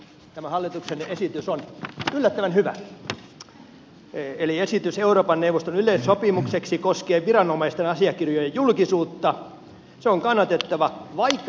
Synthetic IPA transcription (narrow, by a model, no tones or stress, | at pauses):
t̪æmæhɑlːit̪uksenesit̪ysonylːæt̪ːæʋænhyʋæ̰ | eliesit̪yseuroːpɑnnewʋːost̪onyleːssopimukseksikoskeːʋʋirɑnomɑist̪enɑsiɑkirjojejjulkisuːt̪ːɑ | seoŋkɑnːɑt̪et̪ːɑʋɑʋɑikː